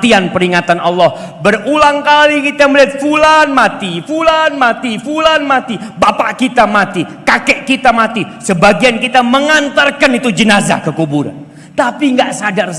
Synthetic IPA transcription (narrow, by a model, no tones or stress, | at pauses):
t̪ianpəɾiŋat̪anɑlːɔh | bərulaŋkalikit̪ajŋmbəliat̪̚fulanmat̪ifulanmat̪ifulanmat̪ibapaʔkit̪amat̪ikakɛʔkit̪amat̪isəbaɡiankit̪aməŋant̪ərkanit̪ud͡ʒənaza̰kəkubuɾa̰n | t̪apiŋɡaʔsadars